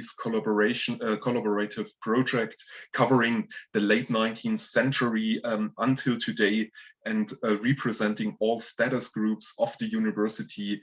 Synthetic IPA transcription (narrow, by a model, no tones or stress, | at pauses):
z̥kʰbə˞eɪʃkʰɔlabəɹetɪv̥pʰɹ̥oʊd͡ʒɛktkʰʌvə˞ɪ̃ŋðɨleɪtⁿnãɪ̃ntʰĩnθsɛ̃nt͡ʃə˞iə̃ntʰɪlˠtʰɨdeɪɨ̃ndɹɛpʰɹ̥ɨzɛ̃ntɪ̃ŋɔlˠstæɾəsɡ̥ɹupsɔvðɨjʉnɨvɜ˞sɨtʰi